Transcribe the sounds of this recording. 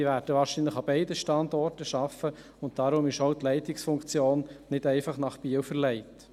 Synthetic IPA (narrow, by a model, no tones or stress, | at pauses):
iʋæːɾd̥əʋɑːɾʃinləχɑbɛɪdəʃtɑndɔrtəʃɑfə | ʊnt̚d̥ɑɾʊmɪʃowtlɛɪtɪksfʊŋkt͡sjoːnːɪdɛɪfɑχnɑχpiːəwfəɾlɛɪt